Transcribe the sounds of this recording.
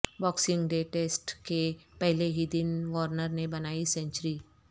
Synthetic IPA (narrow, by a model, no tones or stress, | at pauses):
bɔːksɪ̃ŋɡɖeːʈeːsʈkepɛɦleɦid̪ɪnʋɔːɾnəɾnebɐnaːisɛ̃ɲt͡ʃɾi